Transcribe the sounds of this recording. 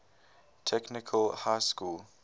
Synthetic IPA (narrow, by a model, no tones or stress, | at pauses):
tʰɛknɪkʰəlhaɪskul